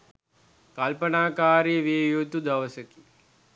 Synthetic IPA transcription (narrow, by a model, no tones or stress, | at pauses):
kɐlpɐnaːkaːɾjɐʋejot̪ud̪ɐʋɐsɐki̥